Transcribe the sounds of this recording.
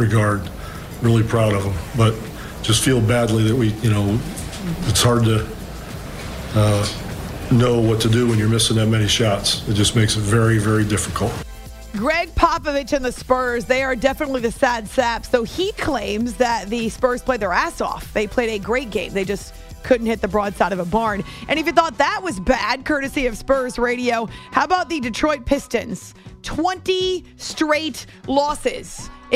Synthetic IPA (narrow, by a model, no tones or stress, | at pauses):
ɹɨɡɑɹd̚ | ɹɪlˠipʰɹ̥aʊɾʌvə̃mb̥ʌt̚ | d̥ʒ̥ʌstfilˠbædˡliðɨt̚wijɨñoʊ | ɨtshɑɹd̚tɨ | ʌ | noʊwʌtʰɨdɨwə̃njə˞mɪsɪ̃ŋðɨt̚mɛñiʃɑtsɨt̚d̥ʒ̥ʌsmeɪksɨtvɛɹivɛɹidɪfɨkʰl̩ˠt̚ | ɡɹɛɡ̚pʰɑpɨvɨt͡ʃɨ̃nðɨspɜ˞zðeɪə˞dɛfənətˡliðɨsædsæpsðoʊikʰl̥ẽɪ̃mzðɨt̪̚ðɨspɜ˞z̥pʰl̥eɪd̪ðə˞æsɔ̰fðeɪpʰl̥eɪɾɨɡɹeɪt̚ɡ̥ẽɪ̃mðeɪd͡ʒʌs | kʰʊdⁿn̩thɪt̪̚ðɨbɹɔd̥saɪɾʌvəbɑɹnʔɨ̃ñɨfɨ̃θɔt̪̚ðət̚wʌzbæd̚kʰɜ˞ɾɨsiʌv̥spɜ˞zɹeɪɾioʊhaʊəbaʊt̪̚ðɨdɨtʰɹ̥ɔɪt̚pʰɪstɨ̃nz̥ | tʰw̥ɛ̃nti | stɹeɪt | lɔsɪz̥